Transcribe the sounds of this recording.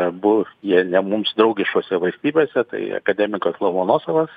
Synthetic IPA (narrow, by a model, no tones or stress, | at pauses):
bʊjiɛnʲɛmʊmsd̪ɾɒʊɡʲɪʃkoːsʲɛʋɐlʲsʲt̪ʲiːbʲeːsʲɛt̪ɐ̰ɪɐ̰kɐd̪ʲɛmʲɪkoːslˠomoːnoːsoʋɐs